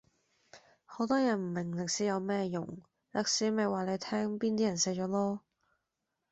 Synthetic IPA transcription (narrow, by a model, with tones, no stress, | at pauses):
ho˨˥wt̪ɔː˥jɐ˨˩nm̩˨˩mɪ˨˩ŋlɪ˨k̚siː˨˥jɐ˨˧wmɛː˥jʊ˨˩ŋ | lɐ˨˥k̚siː˨˥me˨jwaː˨˩le˨˧jt̪ʰɛː˥ŋpiː˥nt̪iː˥jɐ˨˩nsɛː˨˧˥t͡ʃɔː˨˥lɔː˥